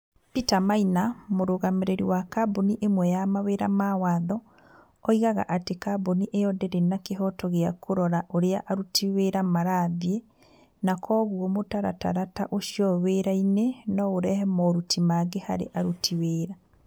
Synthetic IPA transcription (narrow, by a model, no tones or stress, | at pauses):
pitamainamoɾoɣameɾeɾiwakaboniʔemwɛjamaweɾamawaːðɔː | iɣaɣa̰ʔatekaboniʔeɔdɛɾenakeɦɔtɔɣeakʰoɾɔɾaʔoɾeaʔaɾutʰiweɾamaɾaðie | nakʰɔːɣwɔmotaɾa̰ta̰ɾataʔoʃiɔweɾainenɔoɾɛhɛmɔɾutʰimaɡehaɾḛʔaɾutʰiweɾa